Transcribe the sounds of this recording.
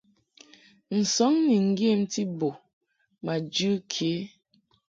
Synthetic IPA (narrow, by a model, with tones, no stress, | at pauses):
n̩˨sɔ˨˦ŋni˨ŋ̩˨ɡje˦˨m̩˦ti˦bo˨ | ma˨d͡ʒɨ˦kʰe˨˦